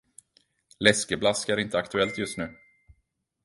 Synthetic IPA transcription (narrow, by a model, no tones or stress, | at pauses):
lɛskəblaskæɾɪnt̪əakt̪ɵɛlt̪jɵst̪nʉ̟ː